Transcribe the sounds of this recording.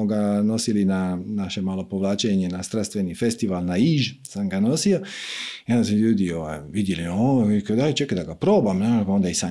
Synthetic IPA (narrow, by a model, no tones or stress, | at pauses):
oɡano̞silinanaʃe̞maːlo̞poʋlˠaːt͡ʃeɲenast̪ɾast̪ʋe̞niːfest̪iʋalˠnaiʒsamɡano̞siojasmoʎuːd̪ioʋa̰jʋid̪jeliokad̪ajt͡ʃekad̪aɡapɾoːbamnapao̞nd̪aisa